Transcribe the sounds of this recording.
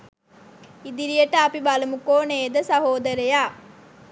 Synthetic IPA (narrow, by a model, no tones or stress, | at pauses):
id̪iɾijəʈəɐpibalɐmukoːneːd̪əsɐɦoːd̪ɐɾejaː